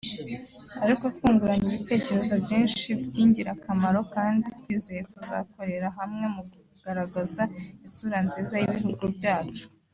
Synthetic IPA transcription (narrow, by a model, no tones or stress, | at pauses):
aɾiko̞twuːŋɡuɾaɲiβite̞ːce̞ɾe̞zobɟiːnʃibɟiːɲɟiɾakamaɾo̞kaːnditwiːzeje̞kuza̰ko̞ɾe̞ɾaɦamŋe̞muɡ | ɡ̥aɾaɡazaisuɾanziːzajiβihuɡubɟaːt͡ʃu̥